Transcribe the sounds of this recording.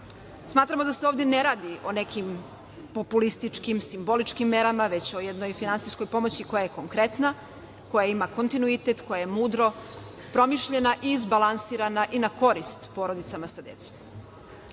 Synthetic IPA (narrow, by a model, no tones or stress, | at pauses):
smaːt̪ɾamo̞d̪ase̞o̞ːvd̪e̞neɾaːd̪iʔo̞ne̞kim | po̞pulist̪it͡ʂkimsimbo̞lit͡ʃkimːe̞ɾamaʋe̞t͡ɕo̞jed̪no̞jfinantsijsko̞jpo̞mo̞t͡ɕiko̞jaje̞ko̞ŋkɾe̞t̪na | ko̞jaimako̞nt̪inuit̪e̞t̪ko̞jajemuːd̪ɾo̞ | pɾo̞miʃʎe̞naʔiːzbalˠansiːɾanaʔinako̞ɾist̪po̞ɾo̞d̪it̪samasad̪e̞̰t̪som